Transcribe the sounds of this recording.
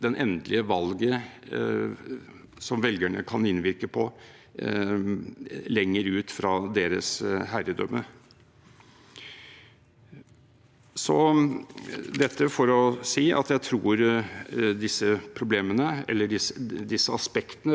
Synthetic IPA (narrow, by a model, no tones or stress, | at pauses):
d̪ɛnʔɛnd̪lʔɪəʋɑlɡə | sɔmʋɛlɡæɳəkʰɑnɪnʋɪɾkəpʰɔ | lɛŋːəɾʉːt̪fɾɑd̪eːɾə̰shæɾəd̪œ̰mːə | sɔ | d̪ɛt̪ːəfɔɾɔsiːʔɑ̰t̪jæɪt̪ʰɾuːɾ | d̪ɪsːəpʰɾʊbleːmənəɛ̰lːəɖɪsəd̪ɪsːəɑspɛkt̪ənə